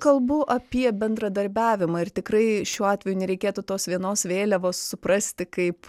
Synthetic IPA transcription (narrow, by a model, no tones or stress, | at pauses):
kɐlˠbʊʔɐpʲiɛbʲɛnd̪ɾɐd̪ɐɾʲbʲæːʋʲɪmɑːɪrt̪ʲɪkrɐɪʃʲuːɑːt̪ʲʋʲɛjuːnʲɛɾʲɛɪkʲeːt̪ʊt̪oːsʋʲiɛnoːsʋʲeːlʲɛʋoːssʊpɾɐsʲt̪ʲɪkɐɪp